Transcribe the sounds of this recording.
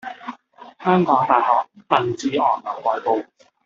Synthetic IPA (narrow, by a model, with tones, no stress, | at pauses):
hœː˥ŋkɔː˨˥ŋt̪aː˨˩jhɔː˨˩k̚t̪ɐ˨˩nt͡siː˨˧ʔɔː˨˩nlɐ˨˩wkɔː˨˧jpo˧w